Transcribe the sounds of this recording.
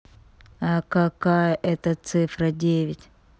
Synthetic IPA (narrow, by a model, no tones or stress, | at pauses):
akakajəʔɛt̪ət̪sɨfɾədʲevʲɪtʲ